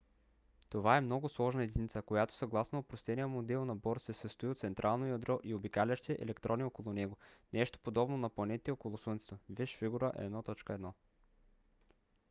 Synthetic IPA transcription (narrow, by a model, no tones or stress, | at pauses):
t̪ovaɛmnɔɡʊslˠɔʒnɐɛd̪init̪səkojat̪o̥sɐɡlˠasnɐopɾost̪ɛnijəmod̪ɛlˠnɐbɔɾsɛsəst̪oʊiot̪sɛnt̪ɾʔalˠnojɐd̪ɾɔʔiobikalʲɐʃt̪ɛʔɛ̰lɛkt̪ɾʔɔniokolˠʊnɛɡonɛʃt̪o̥pod̪ɔbnonɐplˠɐnɛt̪it̪okolˠʊsənt̪sɛ̥t̪ovɛʃviɡuɾəʔɛ̰d̪nɔt̪ɔt͡ʃkəɛd̪nɔ